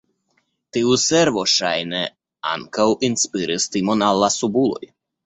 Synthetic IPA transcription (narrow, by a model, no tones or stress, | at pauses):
t̪iusɛɾʋɔʃajnɛ | a̰nkawʔinspɨɾɨst̪imɔnalˠːasubulˠɔ̰j